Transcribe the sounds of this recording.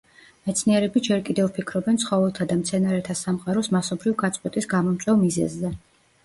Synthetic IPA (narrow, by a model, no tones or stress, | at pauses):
mɛt̪sʰniɛɾɛbid͡ʒɛɾkʼid̪ɛvpʰikʰɾɔbɛnt̪sχɔvɛlˠt̪ʰad̪amt̪sʰɛnaɾɛt̪ʰasamqʼaɾɔsmasɔbɾivɡat̪sʼɛt̪ʼisɡamɔmt̪sʼwɛvmizɛ̰zːɛ